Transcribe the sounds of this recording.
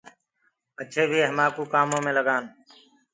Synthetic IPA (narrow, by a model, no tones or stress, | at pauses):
ət͡ʃʰeːbʱiːɦəmaːkuːkaːmõːmẽːləɡaːn